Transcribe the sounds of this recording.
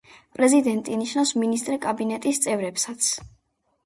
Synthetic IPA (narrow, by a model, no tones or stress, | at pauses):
pʼɾɛzid̪ɛnt̪ʼiniʃnavsminist̪ʼɾɛkʼabinɛt̪ʼist̪sʼɛvɾɛpsat̪sʰ